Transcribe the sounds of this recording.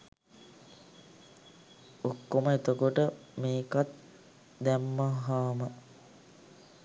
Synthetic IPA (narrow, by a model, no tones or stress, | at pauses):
okːoməet̪əkoʈəmeːkat̪ | d̪æmːaɦaːmə